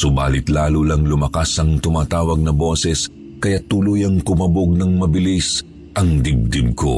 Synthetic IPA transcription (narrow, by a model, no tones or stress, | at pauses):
sʊba̰ːlɪt̪laːlulɐŋlʊmɐkasɐŋt̪ʊmaːt̪aːwɐɡ̚nɐbo̞ːsɛs | kɐjat̪uːlʊjɐŋkʊmɐboɡ̚nɐŋmɐbɪlis | ʔɐŋd̪ɪb̚d̪ɪb̚ko̰